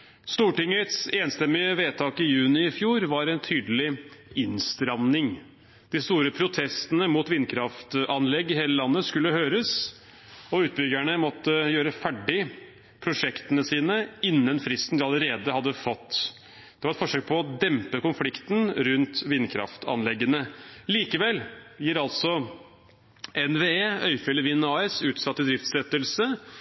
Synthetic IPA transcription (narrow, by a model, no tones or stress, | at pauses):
st̪uːʈɪŋːət̪seːnst̪ɛmːɪəʋeːt̪ʰɑːkɪjʉːnɪɪfjuːɾʋɑɾɛnt̪ʰyːd̪əlɪɪnst̪ɾɑʋnɪŋ | d̪̥ɪst̪uːɾəpʰɾʊt̪ʰɛst̪ənəmuːt̪ʋɪnːkʰɾɑft̪ɑnlɛɡːɪheːləlɑnːəskʉlːəhøːɾəs | ɔʉːt̪̚bʏɡæɳəmɔt̪ːəjøːɾəfæɖɪ | pʰɾʊʂɛkt̪ənəsiːnəɪnːənfɾɪst̪n̩d̪ɪɑləɾeːd̪əhɑd̪ːəfɔt̪ː | d̪̥ɛʋɑɾɛt̪fɔʂøːk̚pʰɔɔd̪ɛmpəkʊnflɪkt̪n̩ɾʉnt̪ʋɪnkʰɾɑ̰ft̪ʰɑ̰nlɛɡːənəliːkəʋɛlːjiːɾɑlt̪sɔ | ɛnʋeːeːœʏfɛləʋɪnːɑːɛsʉːt̪sɑt̪ːɪd̪ɾɪft̪sɛt̪ːəlsə